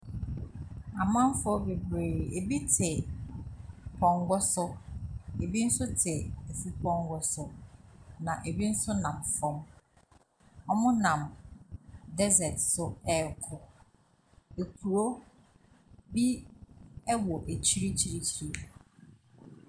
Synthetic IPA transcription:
a˨mã˦m˦fʊ˦ɔ˦be˨bɾeː˨e˨bi˦tʰɪ˨ | pʰɔ̃˨ŋɡɔ˦sʊ˦ | e˨bi˦n̩˦sʊ˦tʰɪ˨e˨fu˦pʰɔ̃˦ŋ˦ɡɔ˦sʊ˦ | nã˨ʔe˨bi˦n̩˦sʊ˦nã˨mfɔ̃˦m | ɔ˦mʊ̃˦nã˨m | dɛ˦zɛ˨tsʊ˦ɛ˦˨kʰʊ˨ | e˨kʰu˨ɾo˦ | bi˦ | ɛ˦wɔ˨ʔe˨t͡ɕʰi˦ɾi˦t͡ɕʰi˦ɾi˦su˨

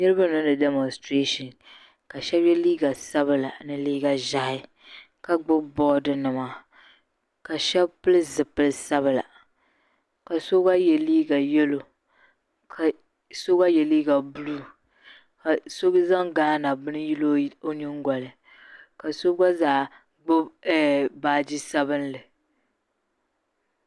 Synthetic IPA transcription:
nɨ˦ɾɨ˦ba˦nɨ˦nɨ˨dɛ˨mɔ˨nstɾe˦ʃɔ˨n | ka˨ʃɛ˦bjɛ˦liː˦ɡa˨sa˦bɨ˨la˨nɨ˨liː˦ɡa˨ʒa˦ɪ˦ | ka˨ɡ͡bʊ˦bɔ˦dɨ˨nɨ˨ma˨ | ka˨ʃɛ˦bpɨ˦lɨ˦zɨ˨pɨ˦lɨ˦sa˦βɨ˨la̰˨ | ka˨so˦ɡa˦jɛ˨liː˦ɡa˨jɛ˦lo˨ | kʰa˨ | so˦ɡa˦jɛ˨liː˦ɡa˨bu˦lu˦ | ka˨so˦ɡza˦ŋɡaː˦na˨bɨ˦nɨ˦ji˦lo˦o˦ni˦ŋɡʷɔ˨lɨ˨ | ka˨so˦ɡa˦zaː˨ | ɡ͡bʊ˦bɛ˦baː˦d͡ʒi˦sa˦bɨ˦n˦lɨ˨

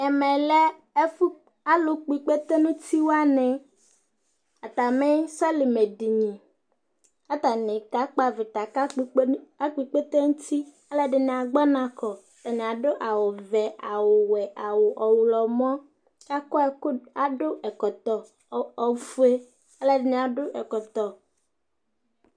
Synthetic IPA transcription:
ɛ˨mɛ̃˨lɛ˦ | e˦fu˦ | a˦lo˨k͡pi˨k͡pe˦t̪e˦nũ˦t̪ʰi˦wo˦a˦nɛ̃˨ | a˨t̪a˨me˦sɛ˦le˨me˨di˨ɲĩ˨ | a˦t̪a˨nẽ˨ka˦k͡pa˦ve˨t̪a˨ka˦k͡pa˦k͡pi˨k͡pe˦t̪e˦ŋũ˦t̪i˦ | a˦le˦ɖɪ˨nɛ̃˨a˨ɡ͡bɔ˦nã˨kɔ˨t̪a˨nẽ˨a˨ɖo˦ʔa˨wɔ˨vɛ˨ʔa˨wo˨wɛ˨ʔa˨wo˨ʔɔ˨wlɔ˨mɔ̃˦ | ka˦kɔ˦˨˦a˨ɖo˦ʔɛ˨kɔ˨t̪ɔ˨ | ɔ˨fu˦e˦ | a˦le˦ɖɪ˨nẽ˨a˨ɖo˦ʔɛ˨kɔ˨t̪ɔ˨

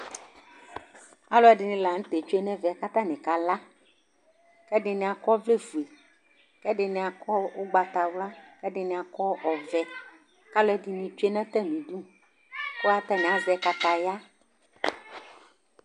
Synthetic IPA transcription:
a˦lɔ˦ɛ˨ɖɪ˨nɪ̃˨la˨ŋ̩˦t̪e˨t͡ʃo˦e˦nɛ̃˦vɛ˨a˨ka˦t̪ã˦nẽ˨ka˦la˦ | kɛ˦ɖɪ˦nɪ̃˨a˨kɔ˦vle˦vu˨e˨ | kɛ˦ɖɪ˨nɪ̃˨a˨kɔ˦wo˦ɡ͡ba˨t̪a˨wla˦kɛ˦ɖɪ˨nɪ̃˨a˨kɔ˦ɔ˨vɛ˦ | ka˦lɔ˦ɛ˨di˨nĩ˨t͡ʃo˦e˦nɛ̃˦t̪ɛ˦nĩ˨d̪ũ˦ | ko˦a˦t̪ɛ˦nɪ̃˨a˨zɛ˦ka˦t̪a˦ja˦

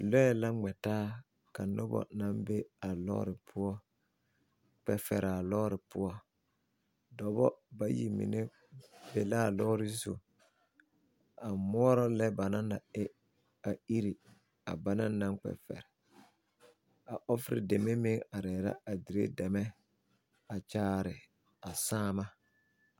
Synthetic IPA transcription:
lɔ˦ɛ˨la˦ŋ͡mɛ˨taː˦ | ka˨nʊ˦bɔ̰˨na˦mbe˦a˨lɔ̰˦ɾɪ˨pʰʊ˦ɔ˦ | k͡pɛ˨fɛ˨ɾa˨lɔ˦ɾɪ˨pʊ˦ɔ˦ | dɔ˨bɔ˦ba˦jḭ˨mḭ˨ne˦ | be˨la˦˨lɔː˦ɾɪ˦zo̰˨ | a˨mɔ˦ɔ˦ɾɔ˦lɛ˦ba˨nã˦na˨ɪ˦ | a˨i˦ɾi˨ | a˨ba˦na˦nã˦ŋk͡pɛ̰˨fɛ̰˨ɾɛ˨ | a˨ʔɔ˦fɾɪ̰˨de˨me˦mɪ˦ŋa˨ɾɛː˨ɾa̰˦a˨dɪ˨ɾḛ˦dɛ˨mɛ˦ | a˨t͡ʃaː˦ɾɪ˨ | a˨saː˦ma˦

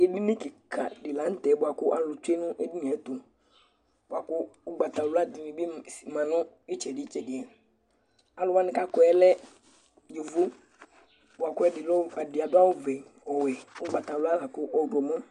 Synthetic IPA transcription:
e˨di˦nĩ˦ki˨kʰa̰˨dɪ˨la˨˦n̩˦t̪ɛ˨˦bʊ˨a˨kʊ˦ʔa˨lʊ˧t͡ʃe˦nʊ̃˦ʔe˦di˦nĩ˨ɛ˨˦t̪ʊ˨ | bʊ˨˦a˨kʊ˦ʊ˦ɡ͡ba˨t̪a˨lʊ˦a˦dɪ˨nĩ˨bi˦˨mã˨nʊ̃˦ | i˦t͡ʃɛ˨di˨˦t͡ʃɛ˨dɪ˨ɛ˨ | a˨lʊ˧wa˦nɪ̃˦ka˦kɔ˦ɛ˦lɛ˦ | ju˨vu˦ | bʊ˨a˨kʊ˦ɛ˧˦dɪ˨lɔ˦˨a˨dɪ˨a˨dʊ˦a˦wʊ˦vɛ˨ | ɔ˨wɛ˨ʊ˦ɡ͡ba˨t̪a˨lʊ˦a˦la˨kʊ˦ʔɔ˧˦ɡɔ˨mɔ̃˦

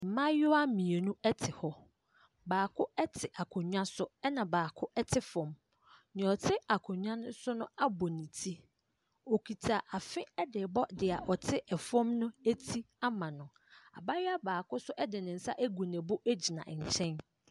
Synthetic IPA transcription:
m̩˨mã˦jʊ˦a˦mĩ˨e˨nũ˦ɛ˦tʰɪ˨hɔ˦ | baː˨kʰʊ˦ɛ˦tʰɪ˨ʔa˨kʰʊ̃˨ɲᶣã˦sʊ˦ɛ˦nã˨baː˨kʰʊ˦ʔɛ˦tʰɪ˦fɔ̃˨m | nɪ̃˨ɔ˨tʰɪ˦a˨kʰʊ˨ɲᶣã˦nʊ̃˦sʊ˦nʊ̃˦a˦bɔ˨nĩ˨tʰi˦ | o˨kʰi˨tʰa˨ʔa˨fɪ̃˦ɛ˦dɪ˨bɔ˦dɪ˨a˨ʔɔ˨tʰɪ˦ʔɛ˨fɔ̃˦mnʊ̃˦æ˦tʰi˦ | a˦mã˨nʊ̃˨ | a̰˨ba˦jɪ˦a˦baː˨kʰʊ˦sʊ˦ʔɛ˦dɪ˨nɪ̃˨n̩˨sa̰˦ʔæ˦ɡu˨nɛ̃˨bʊ˦ʔæ˦d͡ʑi˨nã̰˨ʔɲ̩˨t͡ɕʰɛ̃˦n

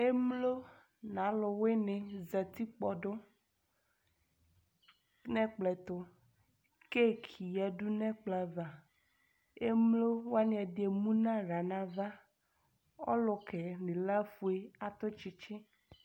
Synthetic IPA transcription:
e˦mlo˦ | nã˨˦lʊ˨we˦nẽ˨zɛ˨t̪i˦k͡pɔ˨ɖʊ˦ | nɛ̃˦k͡plɛ˨t̪ʊ˨ | ke˦kʰi˨ja˦du˦nɛ̃˦k͡pla˨va˨ | e˦mlo˦wa˦n˨˦ɛ˨de˨mũ˦nã˦ɾa˨nã˦va˦ | ɔ̰˦lʊ˨kɛ˨nẽ˨la˦fu˨e˦a˨t̪ʊ˦t͡ʃi˦t͡ʃɪ˦

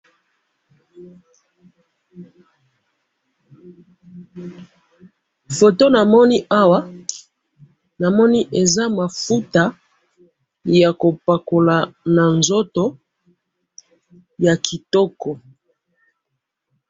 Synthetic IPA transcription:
fo˨to˦na˨mɔ˦ni˦ʔa˦wa˦ | na˨mɔ˦ni˦ʔe˨za˦ma˨fu˦ta˨ | ja˨ko˨pa˨ko˨la˨na˨nzo˦to˦ | ja˨kʰi˨tɔ˦kɔ˨

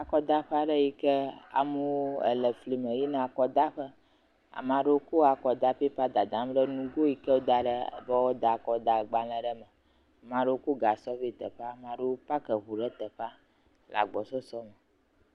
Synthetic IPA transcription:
a˨kɔ˦d̪a˦ɸa˦ɖə˦ji˦kə˦a̰˨mu˦wo˦ə̰˨lə˨fli˨mə̃˨ji˦nã˦˨a˨kɔ˨d̪a˦ɸə˦ | a̰˨mã˨ɖe˦wo˦ko˦a˨kɔ˨d̪a˦ɸi˦ɸa˦d̪a˨d̪ã˨˦m˦ɖə˦nũ˦ɡo˦ji˦kə˦wo˦d̪a˨ɖə˦bə˦wo˦d̪a˨kɔ˨d̪a˨ɡ͡ba˨lɛ̃˨ɖə˦mə̃˨ | a˨mã˨ɖə˦wo˦ko˦ɡa˨sɔ˦ɸi˦t̪ə˨ɸa˦˨mã˨ɖo˦o˦pa˦kə˨ɦu˨ɖə˦t̪ə˨ɸa˦ | lʔa̰˨ɡ͡bɔ˨sɔ˦sɔ˦mə˨

